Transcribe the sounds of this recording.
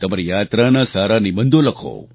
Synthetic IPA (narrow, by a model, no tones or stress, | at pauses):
t̪əmaɾijaːt̪ɾanasaɾanibənd̪oləkʰo̰